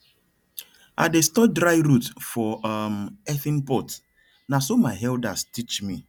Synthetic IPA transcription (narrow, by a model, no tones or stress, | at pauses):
a̰destɔdɾaɪɾutfɔmɛθĩnpɔt | nasomaɪɦɛldastit͡ʃmi